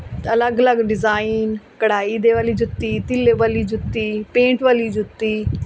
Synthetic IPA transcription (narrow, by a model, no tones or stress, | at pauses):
ələɡələɡɖɪzaːinkəɽaːiːd̪eːʋaːliːd͡ʒʊt̪ːiːt̪ɪlːeʋaːliːd͡ʒʊt̪ːiːpẽːɳʈʋaːliːd͡ʒʊt̪ːiː